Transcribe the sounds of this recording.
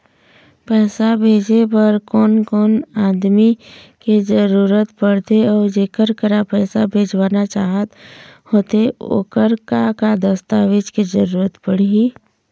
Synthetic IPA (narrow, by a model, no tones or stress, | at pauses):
pɛːsabʱeːd͡ʒepəɾkɔːnkɔːnaːd̪miked͡ʒəɾuːɾət̪pəɽ̤t̪eɔːɾd͡ʒeːkəɾkəɾapɛːsabʱeːd͡ʒwaːnat͡ʃaːɦət̪hoːt̪eo̰ːkəɾkakad̪əst̪aːʋɪd͡ʒked͡ʒəɾuːɾət̪pəɽ̤ii